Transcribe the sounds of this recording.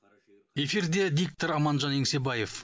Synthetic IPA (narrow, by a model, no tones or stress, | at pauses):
e̞fiɾd̪e̞d̪ʲik̚t̪oɾɑmɑnʒɑneŋse̞bɑje̞f